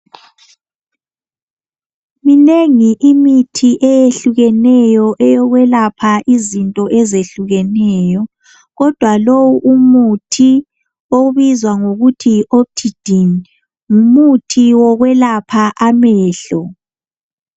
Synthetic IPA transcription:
mineŋiʔimitʰiʔɛjeɬuɣɛnɛjɔʔɛjɔɣwɛlapʰaʔizintʼɔʔɛzeɬuɣɛnɛːjɔ | ɣɔd̥ʱwalowuʔumutʰi | oβizwaŋoɣutʰiop̚tʰid̥ʱin | umutʰiwɔɣwɛlapʰaʔamɛːɬɔ

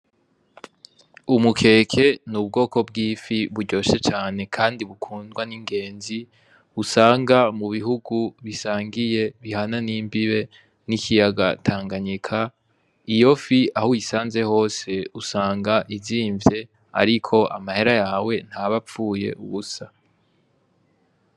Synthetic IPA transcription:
umukʰe̞ːkʰe̞nub̚ɡo̞ːko̞b̚ɡiːfiβuɾɟo̞ːʃe̞t͡ʃaːne̞kʰaːndiβukʰuːndɡwaniŋɡe̞ːnzi | usaːŋɡamuβiɦuɡuβisaːŋɡije̞βihananiːmbiβe̞ | nikʰijaɡa̰tʰaːŋɡaɲikʰa | ijo̞fiahujisaːnze̞ho̞ːse̞usaːŋɡaʔiviːɱvje̞ | a̰ɾikʰo̞ʔa̰mahe̞ɾajaːwe̞n̥haβap͡ffuːje̞̰ʔuβusa

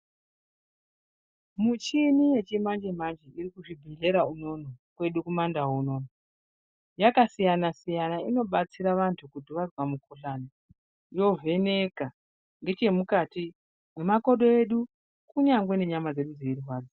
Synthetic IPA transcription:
mut͡ʃinije̞t͡ʃimand͡ʒem̤and͡ʒiirikuʐibʱiɮe̞ɾauno̞nokwe̞ɗukumandawouno̞ːno | jakasijanasijanaino̞ɓat͡siɾaʋantʰukudiʋarwamukuɬana | jo̞vʱe̞ne̞ka | ŋɡe̞t͡ʃe̞mukati | memako̞ɗo̞eɗu | kuɲaŋɡwe̞ne̞ɲamad͡ze̞ɗud͡zeiruɦwaːd͡zo

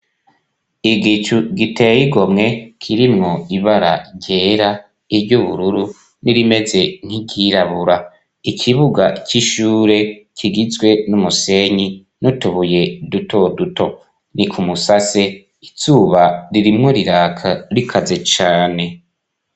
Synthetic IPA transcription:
iɡit͡ʃuɡitejiɡo̞mŋe̞kʰiɾimŋoiβaɾa̰ɾɟeːɾa | iɾɟuβuɾuɾu | niɾime̞ze̞n̥hiɟiɾaβuɾa | ikʰiβuɡaciʃuːɾe̞cʰiɡizɡwe̞numuse̞ɲi | nutuβuje̞dutʰo̞duto̞ | nikʰumusase̞ | izuːβaɾiɾimŋo̞ɾiɾaːkʰaɾikʰaze̞t͡ʃaːne̞

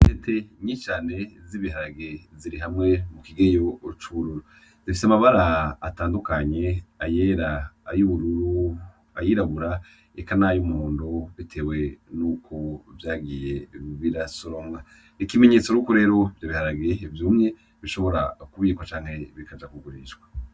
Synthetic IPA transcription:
etʰe̞ɲit͡ʃaːne̞ziβihaɾaɡe̞ziɾiɦamŋe̞mukiɡejo̞t͡ʃuβuɾuɾu | zifiseamaβaɾaːtaːndukaɲe̞aje̞ːɾaajuβuɾuɾuu | ajiɾaβuɾa | ekanajumuhuːndoβitʰe̞we̞nuːkʰovjaːɡije̞βiɾasoɾomɡa | ikime̞ɲe̞t͡so̞ɾukoɾe̞ːɾo̞vjaβihaɾaɡe̞ivjuːmŋe̞ | βiʃo̞βo̞ɾakuβiːkwat͡ʃaːŋ̥he̞βikad͡ʒakuɡuɾiːʃɡwḁ

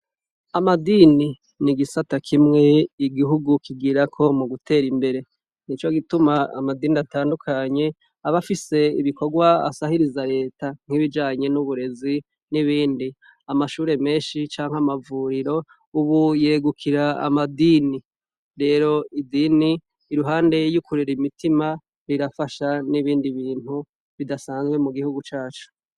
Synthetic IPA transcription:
amadiːni | niɡisatakʰimŋe̞iɡiɦuɡukiɡiɾakʰo̞muɡutʰe̞ːɾimbe̞ɾe̞ | nit͡ʃo̞ɡitumaa̰madiːniataːndukʰaɲe̞ | aβafise̞ḭβiko̞ɡwaa̰sahiɾizaɾe̞ːtaŋ̥iβid͡ʒaːɲe̞nuβuɾe̞zi | niβiːndi | amaʃuːɾe̞me̞ːnʃit͡ʃaːŋhamavuːɾiɾo̞ | uβujeːɡukʰiɾaa̰madiːni | ɾe̞ːɾo̞idiːniː | ɾuɦaːnde̞jukuɾiɾimitima | ɾiɾafaʃaniβiːndiβiːn̥hu | βidasaːnzɡwe̞muɡihuɡut͡ʃaːt͡ʃu̥

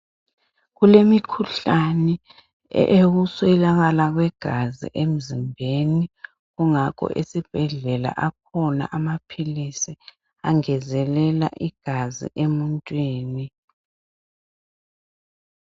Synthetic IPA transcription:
ɣulemikʰuɬanɛ̰ | ʔeɣuswɛlaɣalaɣwɛɡ̥ʱazḭʔem̩zimbʱeni | ɣuŋakʰɔ̰ʔḛsib̥ʱɛɮɛla̰ʔak̚ʰɔna̰ʔamapʰilisi | aŋɛzɛlɛla̰ʔiɡ̥ʱazḭʔemuntʼwiːni

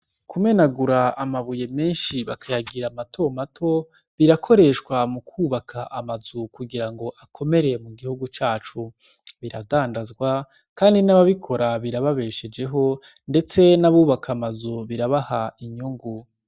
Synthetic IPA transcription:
kʰume̞naɡuɾaːmaβuje̞me̞ːnʃiβakʰajaɡiɾamatʰo̞matʰo̞ | βiɾakʰo̞ɾe̞ʃwamukʰuːβakʰaʔamazukuɡiɾaŋɡo̞ʔakʰo̞me̞ɾe̞muɡihuɡut͡ʃaːt͡ʃu | βiɾa̰daːndazɡwa | kaːndinaβaβikʰo̞ɾaβiɾaβaβe̞ːʃe̞d͡ʒe̞ɦo̞ | nde̞t͡se̞naβuːβakʰamazuβiɾaβahaiɲuŋɡu

